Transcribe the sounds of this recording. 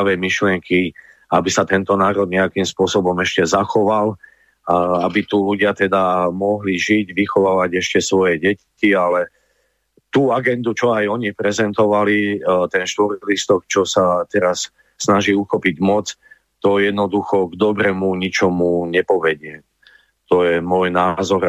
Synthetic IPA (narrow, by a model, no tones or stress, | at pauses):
ʋɛjmiʃlɪɛŋkʰi | abisat̪ɛnt̪ɔnaːɾɔd̪ɲɛakimspʊɔsɔbɔmɛʃcɛzaxɔʋal | abit̪uluɟɪat̪ɛd̪amɔɦliʒiɟʋixɔʋaːʋaɟɛʃcɛsʋɔjɛɟɛccialɛ | t̪uːaɡɛnd̪ut͡ʃɔajɔɲipɾɛzɛnt̪ɔʋalit̪ɛnʃt̪ʋɔɾlist̪ɔkt͡ʃɔsat̪ɛɾasː | naʒiːuxɔpiɟmɔt͡s | t̪ɔjɛd̪nɔd̪uxɔɡd̪ɔbɾɛmuɲit͡ʃɔmuɲɛpɔʋɛɟɪɛ | t̪ɔjɛmɔjnaːzɔɾ